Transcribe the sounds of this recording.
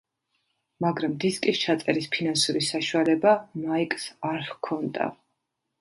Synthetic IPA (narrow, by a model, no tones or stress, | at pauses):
maɡɾamd̪iskʼist͡ʃʰat̪sʼɛɾispʰinansuɾisaʃualɛbamaikʼsaɾhkʰɔnd̪a̰